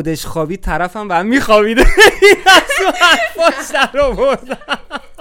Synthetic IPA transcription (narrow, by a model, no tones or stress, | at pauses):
od̪eʃxɒːbiːt̪ʰːæɾæfæmbææmːiːxɒbid̪einæzʃoæzfɒʃd̪æɾɒvoɾd̪æ